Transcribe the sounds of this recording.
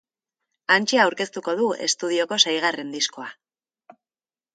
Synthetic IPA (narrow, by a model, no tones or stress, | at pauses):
ant͡ʃeawɾke̞st̪uko̞ðue̞̰st̪uð̞io̞ko̞sajɣ̞are̞nd̪isko̞a